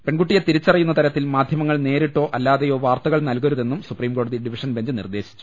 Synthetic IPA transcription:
pe̞ɳɡuʈːijet̪iɾit͡ɕːɐrɐjːunːɐt̪ɐɾɐt̪ːilmaːd̪ʱjɐmɐŋːɐɭne̞ːɾiʈːo̞ːʔɐlːaːðejo̞ːʋaːrt̪ɐɣɐɭnɐlkɐɾuðe̞nːumsupriːmko̞ːɽɐðiɖiʋiʂɐnbeɲd͡ʑɨnḭrd̪e̞ːɕi̥t͡ɕːu̥

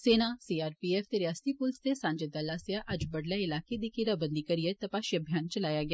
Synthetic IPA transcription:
seːnasiːaːɾpiːɛːft̪eɾɪjaːst̪ipʊlst̪esãːɲd͡ʒed̪ɐlːasɪaʔɐd͡ʒbɐɽlɛɪlaːked̪ikiɾabə̃nd̪ikɐɾijet̪ɐpaːʃiɐbʱjaːnt͡ʃɐlaːjaɡɪjaː

